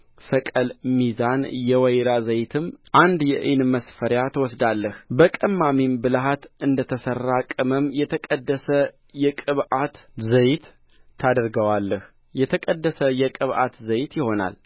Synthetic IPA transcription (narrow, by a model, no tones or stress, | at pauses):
səkʼəlmizanjɛwəjɾazəjt̪ʰɨmʔand̪jɛʔɨnməsfəɾjat̪ʰəwɔsd̪alːəhbəkʼəmːamimbɨlɦat̪ɨnd̪ət̪ʰəsərːakʼɨməmjɛt̪ʰəkʼəd̪ːəsə | jɛkʼɨβʔat̪zəjt̪ʰː | ad̪əɾɡəwalːəh | jɛt̪ʰəkʼəd̪ːəsəjɛkʼɨβʔa̰t̪zəjt̪jɪho̞na̰l